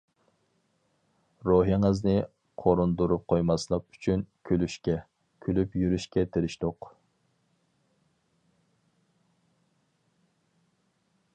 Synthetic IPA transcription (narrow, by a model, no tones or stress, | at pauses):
ɾoɦiŋɨznɪ | qʰoɾund̪uɾup̚qʰojmɑslˠəq̚y̥t͡ʃʰynkʲʰølyʃkʲɛ | kʲʰølypjyɾyʃkʲɛt̪ʰeɾɪʃd̪oq